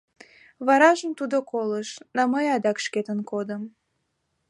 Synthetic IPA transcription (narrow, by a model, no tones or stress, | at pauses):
βɑɾɑʒəmt̪ud̪okoləʃnɑməjɑd̪ɑkʃket̪ənkod̪əm